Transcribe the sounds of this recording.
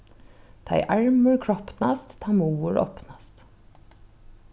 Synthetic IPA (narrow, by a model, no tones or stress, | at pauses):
t̪ʰɑ̰ɪʔæɹmʉɹkʰɹɔpnɑ̰st̪t̪ʰɑːmuːəɹʔɔ̰pnɑst̪